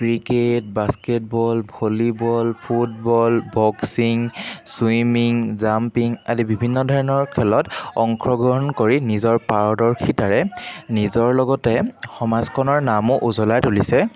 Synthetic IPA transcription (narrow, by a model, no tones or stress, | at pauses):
kɹiket̚basket̚bɔlbʱolibɔlpʰut̚bɔlbɔksiŋsuimiŋzampiŋa̰dibibʱinːɔdʱɔɹɔnɔɹkʰɛlɔtɔŋkʰɹɔɡɔɦɔnkoɹinizɔɹpaɹɔdɔɹkʰitaɹɛnizɔɹlɔɡɔtɛxɔmazkʰɔnɔɹnamʊʔuzɔlajtulisɛ